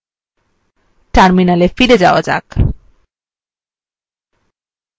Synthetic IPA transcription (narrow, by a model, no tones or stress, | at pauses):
ʈaɾminalefiɾed͡ʑawɔd͡ʑa̰k